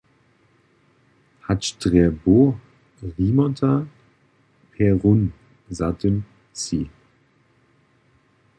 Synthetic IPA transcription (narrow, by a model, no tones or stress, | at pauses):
hatʃtʁɛbo | ʁiːmɔtʰa | pʰɛʁun | zatʰən | t͡siː